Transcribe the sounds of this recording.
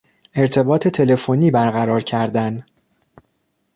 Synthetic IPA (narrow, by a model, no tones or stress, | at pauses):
e̞ɾt̪ʰe̞bɒːt̪ʰe̞t̪ʰe̞le̞foniːbæɾɣæɾɒːɾcʰæɾd̪æn